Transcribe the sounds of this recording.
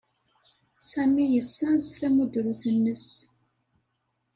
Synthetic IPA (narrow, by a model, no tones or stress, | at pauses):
sæmijəsːænzθæmud̪ɾuθənːəs